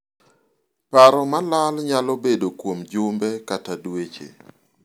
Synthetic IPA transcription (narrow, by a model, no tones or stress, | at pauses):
paɾɔmalalɲalɔbedokwomd͡ʒʊmbɛkatadwet͡ʃḛ